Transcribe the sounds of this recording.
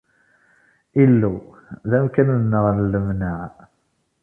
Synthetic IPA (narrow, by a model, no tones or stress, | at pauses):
ilːu | ðæmkænnːəʁnlːəmnæʕ